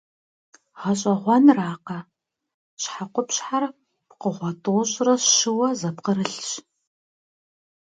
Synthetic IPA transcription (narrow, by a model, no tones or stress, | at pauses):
ʁɐɕʼɐʁʷɔnraːqɐ | ɕħaqʷʊpɕħar | pqəʁʷɔtʼoːɕʼrɐɕɨwɐzɐpqəɾɨɬɕ